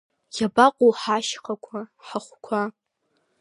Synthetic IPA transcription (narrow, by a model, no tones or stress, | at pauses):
jabaqʷʼoħaʃχakʷʰaħaχʷkʷʰa